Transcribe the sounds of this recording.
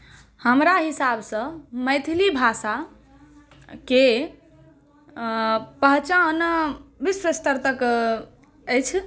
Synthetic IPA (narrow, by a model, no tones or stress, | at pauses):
həmɾaɦisabsə̃məjt̪ʰilibʱasa | ke | pəɦt͡ʃanbisɾest̪əɾt̪ək | əjt͡ʃʰ